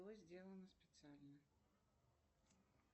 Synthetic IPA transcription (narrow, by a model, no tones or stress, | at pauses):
ɔzʲd͡zʲelˠənəspʲɪt̪sɨalʲnə